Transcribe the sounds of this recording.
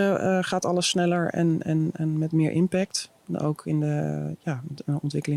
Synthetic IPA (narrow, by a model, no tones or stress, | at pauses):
əχaːtɑləsːnɛləɹɛ̰nɛnɛnmɛtmɪːɹʔɪ̰mpɛk̚t | o̰wkʰɪndəjaːɔntʋɪkəlɪ